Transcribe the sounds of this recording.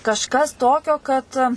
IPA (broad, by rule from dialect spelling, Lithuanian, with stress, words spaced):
kɐʃˈkɐs ˈtoːkʲoː kɐt